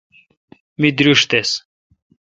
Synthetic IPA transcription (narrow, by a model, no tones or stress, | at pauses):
mid̪ɾuʂt̪es